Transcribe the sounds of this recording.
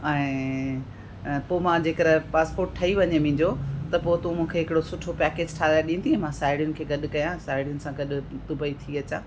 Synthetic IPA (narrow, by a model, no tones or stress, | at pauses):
ɛ̃ː | pomãd͡ʑeːkəɾɛpaːspoːɾʈʈʰːɐiʋɐɲem̤ɪ̃ːɲd͡ʑot̪ɐpot̪ũmũːkʰeɦɪkɪɽosʊʈʰopɛːkeːd͡ʑʈʰaːlaɗĩnd̪iɛ̃ːmãsaːɪɽɪjʊnɪ̆kʰeːɡɐɗʊ̆kɐjãsaːɪɽɪjʊnɪsãɡɐɗʊ̆t̪ʊbait̪ʰiɐt͡ɕãː